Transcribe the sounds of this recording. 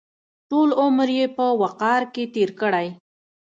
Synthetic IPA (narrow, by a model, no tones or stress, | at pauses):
ʈolʊmɾjepəwaqɑɾket̪eɾkəɽaj